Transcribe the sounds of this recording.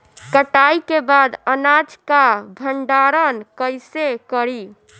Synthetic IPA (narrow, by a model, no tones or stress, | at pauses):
kəʈajkebad̪ənad͡ʒkabʱəɳɖaɾənkəjsekəɾi